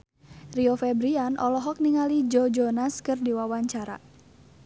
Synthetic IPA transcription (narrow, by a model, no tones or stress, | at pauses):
riɔfɛbɾianʔɔlɔɦɔk̚niŋalid͡ʒɔd͡ʒɔnaskɨrdiwawaɲt͡ʃaɾa̰